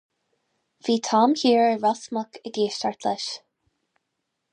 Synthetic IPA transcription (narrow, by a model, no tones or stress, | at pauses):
viːt̪ʰɑːmhiːɹəɹɔsməkʰəɡeːʃtaɹt̪ʰləʃ